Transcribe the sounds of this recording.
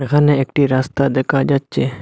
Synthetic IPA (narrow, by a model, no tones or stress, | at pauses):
ɡanẽekʈiɾast̪ad̪ekad͡ʒat̪̚t͡ʃe